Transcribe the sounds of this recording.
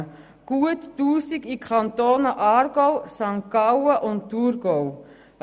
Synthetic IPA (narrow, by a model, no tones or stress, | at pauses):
ɡ̥uətːuːsikikʰɑntoːnəʔɑːrɡowsɑŋkawəʔʊnttːuɾɡow